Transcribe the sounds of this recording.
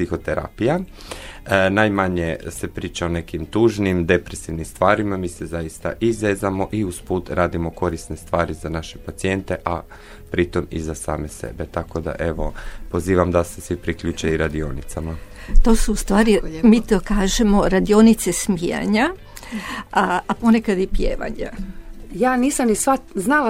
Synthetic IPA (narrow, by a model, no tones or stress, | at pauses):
sixo̞t̪eɾa̰pija | najmaɲese̞pɾiːt͡ʃao̞ne̞kimt̪uːʒnimd̪e̞pɾesiʋnimst̪ʋaːɾimamiːsezajist̪a̰ʔizʋeːzamo̞ʔiuspuːt̪ɾaːd̪imo̞ko̞ɾisnest̪ʋaːɾizanaʃepat̪sie̞nt̪e̞ʔa | pɾit̪o̞mḭzasa̰ːme̞se̞̰bet̪ako̞d̪a̰ʔe̞ʋo̞po̞ziːʋamd̪asesʋipɾikʎuːt͡ʃeiɾad̪ionit̪sama | t̪o̞suust̪ʋaːɾimiːt̪okaːʒe̞mo̞ɾad̪io̞nit̪se̞smija̰ɲa | apo̞ne̞kad̪ipjḛːʋa̰ɲajaːniːsamnisʋaznala